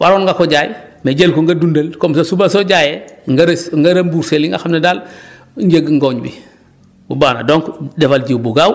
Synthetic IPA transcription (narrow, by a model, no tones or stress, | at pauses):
wʔaɾonŋɡakoɟaːjmeɟelkoŋɡadundɐlkomsasubasoɟajeŋɡaɾŋɡaɾembuɾseliŋɡa̰xamnedal | ɲɟeɡŋɡoɲbḭ | bubaːna̰doŋkdefalɟiwbuɡaw